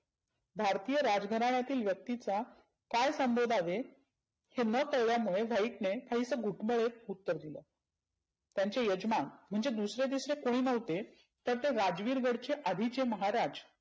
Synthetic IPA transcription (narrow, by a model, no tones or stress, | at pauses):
bʱaɾt̪ijəɾad͡zɡʱəɾaɳjat̪iːlʋjək̚t̪it͡sa | kajsəmbʱod̪ʱaʋe | henəkəɭʋjamuɭeʋaiʈnekaɦiːt͡səɡʱuʈməɭeut̪ːəɾd̪ilə | t̪jaɲt͡sejəd͡ʑmanm̤əɳd͡zed̪usɾed̪isɾekoɽ̃iːnəʋt̪e | t̪əɾt̪eɾad͡ʑʋiːɾɡəɽt͡ɕeʔad̪ʱit͡ɕeməɦaɾad͡z